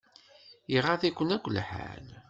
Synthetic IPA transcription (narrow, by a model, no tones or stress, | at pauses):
iʁaðikʷːənækʷːlħa̰n